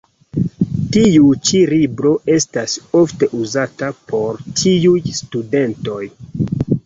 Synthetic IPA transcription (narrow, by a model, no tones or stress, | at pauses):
tiut͡ʃilibɾo̞ʔe̞staso̞fte̞ʔuzatapo̞ɾtʰiujstude̞nto̞j